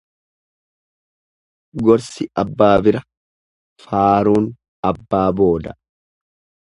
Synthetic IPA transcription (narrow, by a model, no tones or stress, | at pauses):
ɡɔɾsɪʔɐbːaːbɪɾɐ | faːɾuːn | ɐbːaːboːd̪ɐ